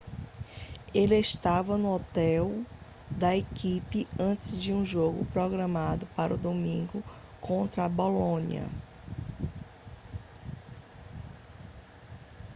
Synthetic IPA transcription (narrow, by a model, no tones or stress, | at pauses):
elɪeʃt̪avɐnʊɔt̪ɛw | d̪ɐekipɪɐ̃t͡ʃɪzd͡ʒɪũʒoɡʊpɾɔɡɾɐ̃mad̪ʊpaɾʊd̪omĩɡʊ | kõnt̪ɾɐbolõɲḭɐ̰